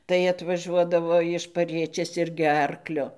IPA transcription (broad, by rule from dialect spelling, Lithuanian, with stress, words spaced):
tɐɪ ɐtʋɐˈʒuɔdɐʋoː ɪʃ pɐˈrʲiɛt͡ʃʲeːs ˈɪrʲɡʲɪ ˈɐrklʲʊ